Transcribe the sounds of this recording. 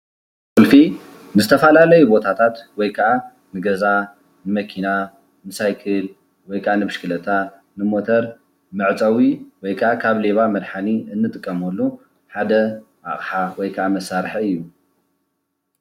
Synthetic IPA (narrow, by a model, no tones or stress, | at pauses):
kulfi | nɨzɨt̪ʰɐfɐlalɐjubo̞t̪ʰat̪ʰat̪wɔjkʰɐʔa | nɨɡɐza | nɨmɐkʰina | nɨsajkʰɨl | wɔjkʰɐʔanɨbɨʃkʰɨlɐt̪ʰa | nɨmot̪ʰɐɾ | mɨʕt͡sʼɐwiwɔjkʰɐʔakʰaβle̞βamɐd̪ħaniɨnːɨt̪ʼɨkʼːɐmɐlːu | ħad̪ɐ | a̰χʼħawɔjkʰʔamɐsːaɾħɐɨjːu